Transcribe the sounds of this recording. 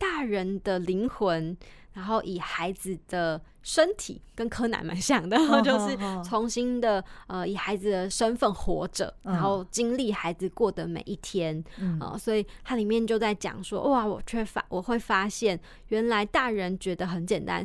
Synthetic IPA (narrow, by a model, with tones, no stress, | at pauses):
t̪a˥˩ɻə˧˦nd̪ə˧li˧˥ŋxwə˧˦n | ɻa˧˥nxo˥˩ʊʔi˨˩xa˧˥ɪd͡z̩˨d̪ə˩ | ʂə˥nt̪ʰḭ˨˩kə˦nkʰɤ˥na̰˧˥nma̰˧˥nɕjɑ˨˩ŋd̪ə˨˧t͡ɕjo˥˧ʊʂɻ̩˥˩t͡sʰo˧˦ŋɕi˥nd̪ə˨ə˧i˨˩xa˧˥ɪd͡zɨ˨d̪ə˩ʂə˥nfə˥˩nxwɔ̰˧˥ʈ͡ʂɤ̰˨˩ɻa˧˨˦nxo˥˩ʊt͡ɕi˦ŋli˥˩xa˧˥ɪd͡z̩˨kwɔ˥˩d̪ə˩mḛ˨˩ɪʔi˥˩t̪ʰjɛ˥nə̰˨˩swɔ˧˥i˨˩t̪ʰa˥li˨˩mjɛ˥˧nt͡ɕjo˥˧ʊt͡sa˥˩ɪt͡ɕjɑ̰˨˩ŋʂwɔ̰˦˥ʔɔ˥˩a˨˩wɔ̰˨˩t͡ɕʰɛ˥˩fa̰˥wʔɔ˨˩xwe˥˩ɪfa˥ɕjɛ˥˩n | ɥɛ˧˥nla˧˦˥ɪt̪a˥˩ɻə˧˦nt͡ɕɥɛ˧˥d̪ə˧xə˧˥nt͡ɕjɛ˨˩nt̪a̰˦n